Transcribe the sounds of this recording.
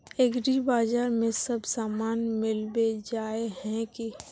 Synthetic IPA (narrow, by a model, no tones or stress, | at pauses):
eɡɾibaːd͡ʒaːɾmẽsəbsaːmaːnmɪlbed͡ʒaːeɦɛ̃ki